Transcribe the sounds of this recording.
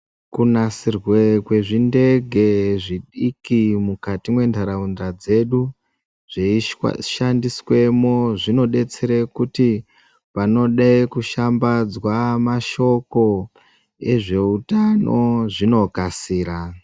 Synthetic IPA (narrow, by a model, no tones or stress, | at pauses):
kunasirwekwe̞ʐinde̞ɡʱe̞ʐiɗikimukatimwe̞ndʱaɾaundad͡ze̞ɗu | ʐ̥eḭʃandiswe̞mo̞ʐino̞ɗe̞t͡seɾekuti | pano̞ɗaikuʃambad͡zwamaʃo̞ko̞ | e̞ʐe̞utanoʐino̞kasiːɾa